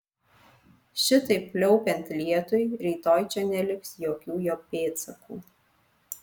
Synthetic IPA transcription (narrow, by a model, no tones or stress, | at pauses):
ʃʲɪt̪ɐɪpʲːlʲɔʊpʲɛnʲt̪ʲlʲiɛt̪ʊjɾʲiːt̪oːjt͡ʃʲɛnʲɛlʲɪksjoːkʲuːjoːpʲeːt̪sɐkṵː